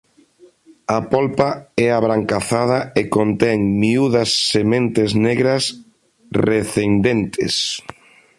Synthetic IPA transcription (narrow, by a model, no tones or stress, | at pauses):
ɐpolpaɛaβɾaŋkaθað̞ɐekõnt̪ɛŋmiuðɐsːemẽnt̪ezneɣɾɐs | reθend̪ent̪ʰḛs